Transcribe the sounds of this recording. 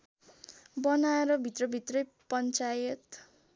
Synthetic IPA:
bʌnaeɾʌbʱit̪rʌbʱit̪rʌj | pʌnt͡sajʌt̪

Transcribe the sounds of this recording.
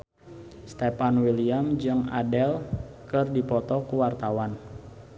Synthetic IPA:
st̪ɛpanwiliamd͡ʒɨŋa̰dɛlkɨrdipɔt̪ɔkuwart̪awan

